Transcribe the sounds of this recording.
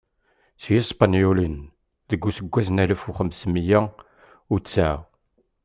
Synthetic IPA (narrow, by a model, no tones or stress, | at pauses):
sjisˤpɑnjulən | ðəɡʷːusəɡʷːæznæləfuχəmsmijæ | ʊɾt͡sːæ